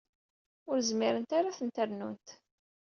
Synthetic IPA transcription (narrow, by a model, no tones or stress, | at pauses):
ʊɾzmiɾənt̪aɾaθənt̪əɾnunt̪